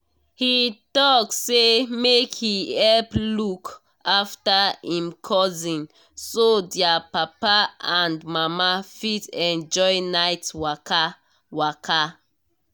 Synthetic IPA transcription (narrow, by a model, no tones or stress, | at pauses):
hitɔksemekhiɛlpluk | aftaĩmkʰɔzĩn | sodjapapaãndmamafitɛ̃nd͡ʒɔɪnaɪtwaka | wakʰa